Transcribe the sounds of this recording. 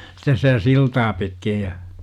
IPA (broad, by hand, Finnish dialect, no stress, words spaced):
stes sitæ siltɑː pitkij jɑ